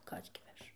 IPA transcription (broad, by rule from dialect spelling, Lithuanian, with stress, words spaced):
ˈkɐs ɡʲɪ ˈʋʲɛʃ